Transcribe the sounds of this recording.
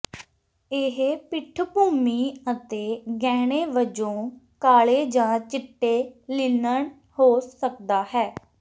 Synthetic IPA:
ɪɦpɪʈʰpuːmiːət̪eːɡɛːɽ̃eːʋəd͡ʒõː | kaːɭeːd͡ʒãːt͡ʃɪʈːeːlɪnəɳ | hoːsəkd̪aːɦɛː

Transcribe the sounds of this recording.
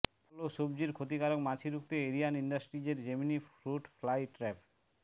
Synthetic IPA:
loʃobd͡ʑiɾkʰot̪ikaɾokmat͡ɕʰiɾukt̪eeɾijaniɳɖasʈɾid͡ʑeɾd͡ʑeminifɾuʈflajʈɾɛpʰ

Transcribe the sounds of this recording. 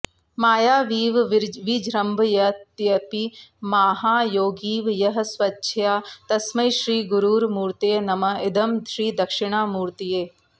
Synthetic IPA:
maːjaːʋiːʋʋid͡ʒʱɾɐmbʱjɐt̪jɐpimaːɦaːjoːɡiːʋjɐɦɐ̆sʋɐtːʃʰjaːt̪ɐsmɐjʃɾiːɡuɾuːɾmuːɾt̪ijnɐmɐɪd̪ɐmʃɾiːd̪ɐkʃɪɽ̃aːmuːɾt̪ijeː

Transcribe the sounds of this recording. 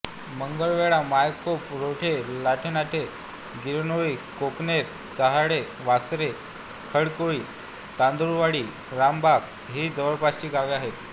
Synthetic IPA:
məŋɡəɭʋeɭamajkopɾoʈʰelaʈʰenaʈ̪ʰe | ɡiɾnoʋikokneɾ̚ | t͡saɦaɽe | ʋasɾe | kʰəɽkoɭiː | t̪and̪ɾuʋaɽiː | ɾambak | ɦiːd͡zəʋəɾpaɕt͡ɕiːɡaʋiaɦet̪

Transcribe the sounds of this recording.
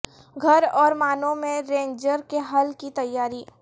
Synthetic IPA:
ɡʱɐɾɔːɾmaːnõmẽɾẽːɲd͡ʒəɾkeɦɐlkit̪ɐjːaːɾiː

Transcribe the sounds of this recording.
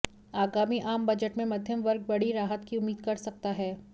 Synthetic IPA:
aːɡaːmiʔaːmbɐd͡ʒəʈmẽmɐd̪ʱjəmʋɐɾɡ̚bɐɽiɾaːɦət̪kiʊmːiːd̪̚kɐɾsɐk̚t̪aɦɛː

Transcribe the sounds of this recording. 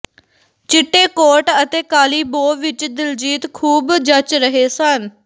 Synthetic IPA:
t͡ʃɪʈːeːkoːʈət̪eːkaːliːboːʋɪt͡ʃd̪ɪld͡ʒiːt̪kʰuːbd͡ʒət͡ʃɾəɦeːsən

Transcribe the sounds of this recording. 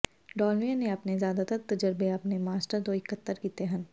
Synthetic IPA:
ɖɔːlʋijaneɐpnezjaːd̪at̪əɾt̪ɐd͡ʒəɾbeɐpnemaːsʈəɾd̪oɪkət̪ːəɾkit̪eɦɐ̃n

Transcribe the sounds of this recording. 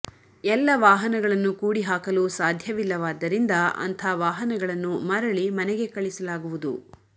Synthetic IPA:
ɛlːɐʋaːɦɐnɐɡɐɭɐnːukuːɽiɦaːkɐlusaːd̪ʱjɐʋilːɐʋaːd̪ːɐɾind̪ɐɐ̰nt̪ʰɐʋaːɦɐnɐɡɐɭɐnːumɐɾɐɭimɐnɛɡe̞kɐɭisɐlaːɡuʋud̪u

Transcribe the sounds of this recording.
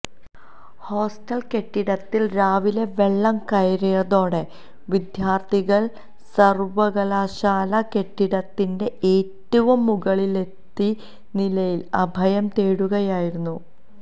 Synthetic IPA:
ho̞ːsʈɐlke̞ʈːiɽɐt̪ːilɾaːʋile̞ʋe̞ɭːɐmkɐjɐɾɐjɐðo̞ːɽe̞ | ʋid̪ʱjaːrt̪ʰiɣɐɭ | sɐrʋɐɣɐlaːɕaːlɐke̞ʈːiɽɐt̪ːinde̞ʔeːtːuʋumːuɣɐɭile̞t̪ːi | nilɐjilɐbʱɐjɐmt̪eːɽuɣɐjaːjiɾunːu

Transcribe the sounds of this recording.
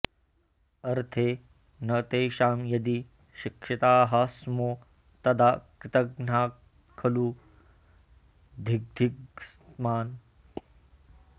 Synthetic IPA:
ɐɾt̪ʰeː | nɐt̪eːʃaːmjɐd̪i | ʃikʃit̪aːɦɐsmoː | t̪ɐd̪akɾɪt̪ɐɡn̤aː | kʰɐlu | d̪ʱiɡ̚d̪ʱiɡsmaːn

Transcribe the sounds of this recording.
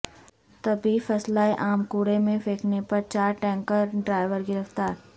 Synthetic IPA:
t̪ɐbʱifɐslaːeʔaːmkuːɽemẽfeːkʰnepɐɾt͡ʃaːɾʈɛ̃ːŋkəɾɖɾaːɪʋəɾɡɪɾəft̪aːɾ

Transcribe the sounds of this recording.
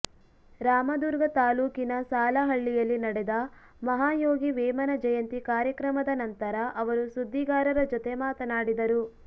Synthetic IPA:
ɾaːmɐd̪uɾɡɐt̪aːluːkinɐsaːlɐɦɐɭːijɐlːinɐɽɛd̪ɐ | mɐɦaːjoːɡiʋɛːmɐnɐd͡ʒɐjɐnt̪ikaːɾjɐkɾɐmɐd̪ɐnɐnt̪ɐɾɐʔɐʋɐɾusud̪ʱːiɡaːɾɐɾɐd͡ʒɔt̪emaːt̪ɐnaːɽid̪ɐɾu

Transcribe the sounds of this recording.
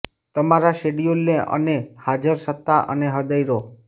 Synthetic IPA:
t̪əmaɾaʃeɖijolːeʔə̰nehad͡ʒəɾsət̪ːaʔə̰neɦəd̪əjɾo

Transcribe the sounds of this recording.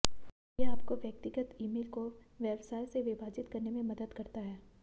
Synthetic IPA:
jeaːpkoʋjɐk̚t̪ɪɡət̪iːmeːlkoʋjɛbsaːjseʋɪbaːd͡ʒɪt̪kɐɾnemẽmɐd̪əd̪kɐɾt̪aɦɛː

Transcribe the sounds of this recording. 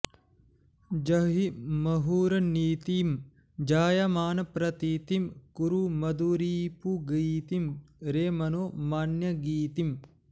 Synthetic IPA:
d͡ʒɐɦimɐɦuːɾɐniːt̪iːm | d͡ʒaːjɐmaːnɐpɾɐt̪iːt̪imkuɾumɐd̪uɾiːpuɡiːt̪imɾeːmɐnoːmaːnjɐɡiːt̪im

